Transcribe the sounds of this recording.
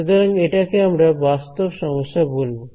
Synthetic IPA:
od̪aɾɐŋɡeʈakeamɾabast̪ɔbʃɔmɔsːabolbo

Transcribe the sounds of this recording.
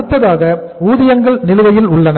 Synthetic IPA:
ɯt̪ːɐðaːɣɐ | uːðɪjɐŋɡɐɭnɪlɯʋɐjɪlʊɭːɐnɐ

